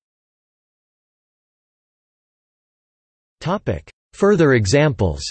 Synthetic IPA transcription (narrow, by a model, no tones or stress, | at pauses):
tʰɑpɪ̰k | fɜ˞ðə˞ɨɡzæ̃mpl̩ˠz̥